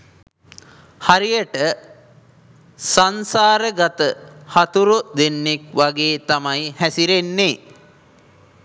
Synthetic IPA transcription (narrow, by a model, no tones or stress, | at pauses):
haɾijəʈə | sansaːɾəɡat̪əhat̪uɾud̪enːekʋaɡeːt̪amajhæsiɾenːe